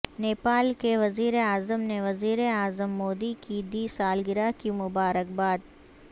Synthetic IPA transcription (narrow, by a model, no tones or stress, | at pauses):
neːpaːlkeʋɐziːɾeaːzəmneʋɐziːɾeaːzəmːoːd̪ikid̪iːsaːlɡɪɾakimʊbaːɾək̚baːd̪̚